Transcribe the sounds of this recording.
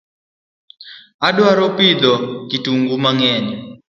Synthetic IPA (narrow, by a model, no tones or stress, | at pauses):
aɗwaɾɔpid̪ɔkituŋɡumaŋɛːni